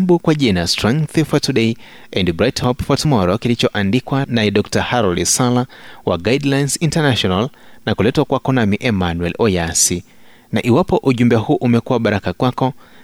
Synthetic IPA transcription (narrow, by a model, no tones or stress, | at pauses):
bukwaʄinastɾɛ̃ŋkθfɔtuɗei | ɛndbɾajthɔpfɔtmɔɾɔkilit͡ʃɔʔandikwanaɛɗɔk̚tahaɾɔldisalawa̰ɡajdlajnsintanaʃɔnalnakulɛtwakwakɔnamiʔɛmanwɛlɔjasi | naʔiwapɔʔuʄumbɛahuːʔumɛkuwaɓaɾakakwakɔ